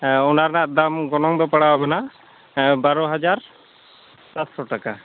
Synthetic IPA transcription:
ɔnaɾnaʔd̪amɡɔnɔŋd̪ɔpaɽababɛna | baɾɔɦad͡ʒaɾ | sat̪sɔʈaka

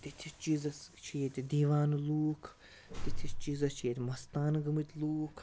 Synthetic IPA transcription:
t̪it̪ʰist͡ʃiːzɐst͡ʃʰijet̪ʲid̪iːʋaːnluːkʰ | t̪it̪ʰist͡ʃizɐt͡ʃʰijet̪ʲmɐst̪aːnɡɨmɨt̪ʲluːkʰ

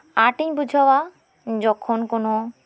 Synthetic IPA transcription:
aɾʈiɲbud͡ʒʱawa | d͡ʒɔkʰonkono

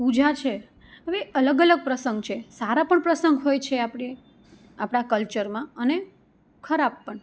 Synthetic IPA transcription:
pud͡ʒʱat͡ʃʰe | əʋeələɡələɡ̚pɾəsəŋɡ̚t͡ʃʰesaɾapəɳpɾəsəŋɡɦojt͡ʃʰeapɽi | apɽ̃akəlt͡ʃəɾmãəne | kʰəɾab̚ːəɳ

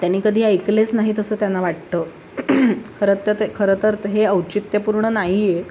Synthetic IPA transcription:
t̪janːiːkəd̪ʱiːəjklet͡snaɦit̪əsəːt̪janːaʋaʈ̚t̪əː | kʰəɾət̪ət̪kʰəɾət̪əɾt̪ɦeəwt͡ɕit̪jəpuɾɳənaɦije

